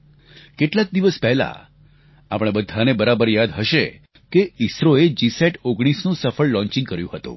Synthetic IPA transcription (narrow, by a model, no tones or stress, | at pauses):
keʈlak̚d̪iʋəspɛɦla̰ | a̰pɽ̃ebəd̪ʱanebəɾabəɾjad̪ɦəʃe | keisɾoed͡ʒiseʈoɡɽ̃isnũsəfəɭlɔ̃ɲt͡ʃĩŋɡkəɾjũɦət̪ṵ̃